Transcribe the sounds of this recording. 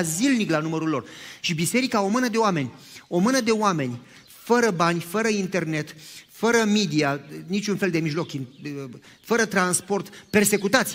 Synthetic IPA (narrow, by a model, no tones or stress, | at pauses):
zilniklanuməɾulːo̞rʃibise̞ɾikao̞mɨnəd̪e̞oame̞nʲo̞mɨnəd̪e̞oame̞nʲ | fəɾəbanʲfəɾəint̪e̞rne̞t̪fəɾəmid̪ianit͡ʃʲunfe̞ld̪e̞miʒlo̞kɨn | fəɾət̪ɾanspo̞rt̪pe̞rse̞kut̪at̪sʲ